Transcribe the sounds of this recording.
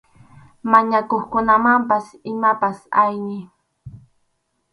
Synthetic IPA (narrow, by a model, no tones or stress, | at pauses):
maɲakoχkʊnamampasɪmapasajnɪ